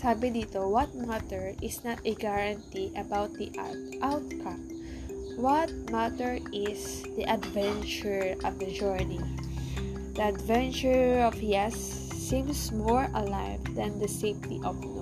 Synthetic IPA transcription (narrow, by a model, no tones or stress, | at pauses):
sabɪ̃d̪it̪owɔt̪̚mat̪ɛɹɪsnat̪ɛɡaɹãnt̪iʔɐbawt̪̚d̪iʔ | ʔawt̪̚kʰãm | wɔt̪̚mat̪ɛɹɪs | d̪iʔɐd̪vɛ̃nt͡ʃʊɹɔvd̪ɐd͡ʒɔɹni | d̪əɐd̪vɛ̃nt͡ʃʊɹɔvjɛsː | ĩmsmɔɹɐlaɪvd̪ɐ̃nd̪ɐsejft̪iʔɔvn